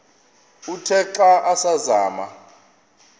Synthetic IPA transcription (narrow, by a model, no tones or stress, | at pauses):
utʰɛǃaʔasazaːma̰